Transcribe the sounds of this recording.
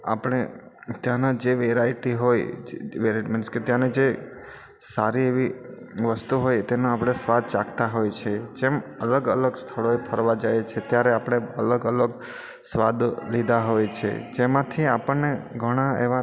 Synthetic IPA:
a̰pəɽ̃et̪jãnad͡ʒeʋeɾaiʈiɦojd͡ʒʋeɾaʈiminsket̪jãned͡ʒe | saɾieʋi | ʋəst̪uɦojt̪enoapɽ̃esʋad̪̚ʱt͡ʃakʰt̪aɦojt͡ʃʰed͡ʒemələɡələɡst̪ʰəɭoepʰəɾʋad͡ʒajt͡ʃʰet̪jaɾeapɽ̃eələɡələɡ | sʋad̪lid̪aɦojt͡ʃʰḛd͡ʒemãt̪ʰiapəɳneɡʱəɽ̃aḛʋa

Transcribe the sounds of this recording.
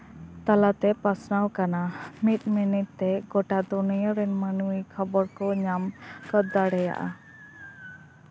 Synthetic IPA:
t̪alat̪ɛpasnawkanamit̪̚minit̪t̪ːɛɡɔʈad̪unijəɾɛnmənuwikʰəbɔɾkɔɲamkəd̪ːaɽɛja̰ʔa̰

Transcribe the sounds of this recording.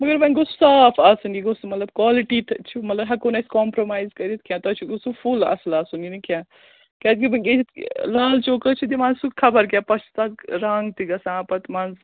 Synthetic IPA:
mɐɡɐɾbɐ̃nɡossaːpʰaːsunɡiɡosmɐt̪lɐb̚kwaːliʈit̪ʰt͡ʃʰumɐt̪lɐbɦɐkoːnɐskɔːmpɾomaːjzkɐɾit̪kʰʲjãːt̪ɐt͡ʃʰiɡosupʰula̰ːslaːsuninikʰjãː | kaːd̪kimɐelaːlt͡ʃoːkət͡ʃʰid̪imãːnzsukʰɐbɐɾkʲjãːpɐt͡ʃʰt̪ɐɾɐŋɡt̪iɡɐsãːpɐt̪mãːnz

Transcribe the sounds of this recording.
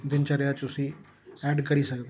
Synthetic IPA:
d̪ɪnt͡ʃaɾejat͡ʃʊsi | ɛːɖkɐɾiːsɐkd̪

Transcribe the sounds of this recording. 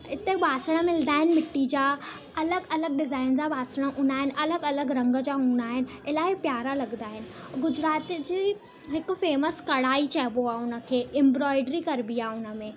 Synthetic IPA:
ɪt̪eɓaːsəɽ̃əmɪlnd̪aːɦɪnɪ̆mɪʈːid͡ʑaː | ɐləɡɐləɡ̚ɖɪzaːɪnd͡ʑaɓaːsəɽ̃əʔʊ̃naːɦɪnɪ̆ʔɐləɡɐləɡɾɐ̃ŋɡəd͡ʑaːɦũːnd̪aːɦɪnɪ̆ɪlaːɪpjaːɾalɐɡnd̪aːɦɪnɪ̆ | ɡʊd͡ʑɾaːt̪d͡ʑiː | ɦɪkʊ̆feːməskɐɽaːit͡ɕɐɦboaːʊnə̆kʰeːɪ̃mbɾɔːɪɖɾikɐɾbiaːʊnə̆mẽ

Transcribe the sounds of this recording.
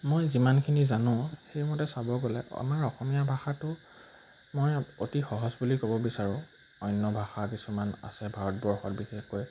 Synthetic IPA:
mojzimankʰinizanʊ̃xejmɔtɛsabɔɡɔlɛ̰a̰maɹɔxɔmijabʱaxatʊ | mojotixɔɦɔzbulikobɔbisaɹʊ̃ | ɔjnːɔbʱaxakisumana̰sɛbʱaɹɔt̚bɔɹxɔtbixexkoj

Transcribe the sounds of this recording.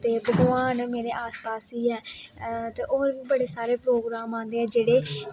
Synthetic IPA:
t̪eːbəɡʋaːnmeːɾeːʔaːspaːsiːɛːt̪eːʔoːɾʋiːbəɽeːsaːɾeːpɾoːɡɾaːmãːnd̪eːɛːd͡ʒeːɽeː

